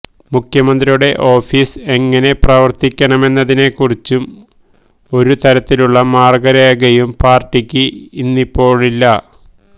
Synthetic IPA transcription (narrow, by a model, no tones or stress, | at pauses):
mukʰjɐmɐnd̪rijuɽe̞ʔo̞ːfiːse̞ŋːɐne̞prɐʋɐrt̪ikʲːɐɳɐme̞nːɐðine̞kːurit͡ɕːum | o̞ɾut̪ɐɾɐt̪ːiluɭːɐmaːrɡɐɾeːɡɐjumpaːrʈːikʲːɨinːipːo̞ːɭilːɐ